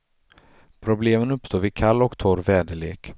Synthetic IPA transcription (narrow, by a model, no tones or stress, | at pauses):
pʰɾʊbleːmənɵpːst̪oːɾvɪkʰalːɔkt̪ʰɔɾvɛːd̪əleːk